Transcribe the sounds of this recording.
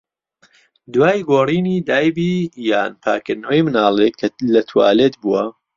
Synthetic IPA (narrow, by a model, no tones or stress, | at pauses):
d̪waːjɡoːriːniːd̪aːjbiːjaːnpʰa̰ːkɨɾnɐwɐjmɨnaːlˠekʰːɐlɐt̪ʰua̰ːlet̪buwɐ